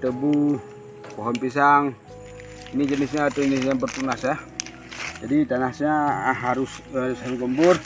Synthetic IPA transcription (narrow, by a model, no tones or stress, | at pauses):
t̪əbu | pɔɦɔnpisaŋ | inid͡ʒənisɲaːt̪oinisaŋbərt̪unasa | d͡ʒadit̪anahsɲaɦaɾʊshaɾʊsaɾuɡəmbʊr